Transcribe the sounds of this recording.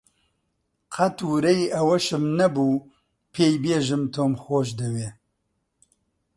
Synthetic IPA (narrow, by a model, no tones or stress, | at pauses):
qʰɐt̪uɾɛjiʔɐwɐʃɨmnɐbuː | pʰeːjbeːʒɨmt̪ʰoːmxoːʃd̪ɨweː